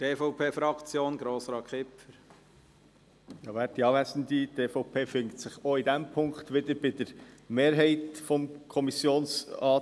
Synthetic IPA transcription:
teːfɔʊpʰeːfɾɑkt͡sjoːnɡɾoːsɾɑːkχɪpfəɾ | jɑːʋæːt̚diɑːʋæsn̩d̪iteːfɔʊpʰeːfʏŋktsɪχoidɛmpʰʊŋkχt̪ʋɪdəɾbɪd̥əɾmeːɾɦɛɪtfɔmkʰɔmisjoːnsɑː

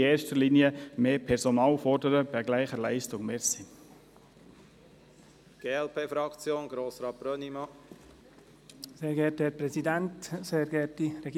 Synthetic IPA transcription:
eːɾʃtəliːniəmeːpʰɛɾsɔnɑːlfɔɾdəɾəb̥æɡlæɪχəlæɪstʊŋmeːsin | ɡ̥eːɛlpʰeːfɾɑkt͡sjoːnɡɾoːsɾɑːt̚b̥ɾœnimɑ | seːɾɡɛthɛpɾɛzidɛntseːɾɡɛtiɾɛɡː

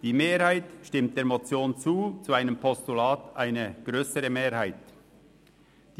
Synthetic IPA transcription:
d̥iːmeːɾhaɪtʃtɪmt̚d̥eːɐmot͡sjoːnt͡suːt͡suaɪnəmpʰɔstulaːtʔaɪnəɡ̥ʁøːsəʁəmeːɾhaɪt | d̥

